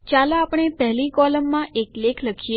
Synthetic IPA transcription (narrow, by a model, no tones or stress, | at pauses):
t͡ʃalãapɳ̃epɛɦlikɔləmːãʔeklekʰləkʰije